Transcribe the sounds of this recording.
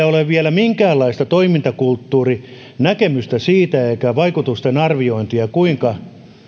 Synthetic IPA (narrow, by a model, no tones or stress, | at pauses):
æoleʋʋiælæmiŋkæːlːɑist̪ɑt̪oimint̪ɑkult̪ːuːri | nækemyst̪æsiːt̪æeikæʋɑikut̪ust̪enɑrʋioint̪iɑkuiŋkɑ